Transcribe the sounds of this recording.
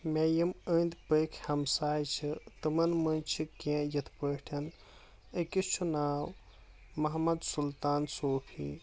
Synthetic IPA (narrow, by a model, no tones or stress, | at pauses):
mejɐməːnd̪pəjkʰhɐmsaːjt͡ʃʰit̪ɨmɐnmɐnt͡ʃʰikãjɐt̪ʰpəːʈʰɐn | əkist͡ʃʰunaːw | mɐɦmɐd̪sult̪aːnsoːpʰḭː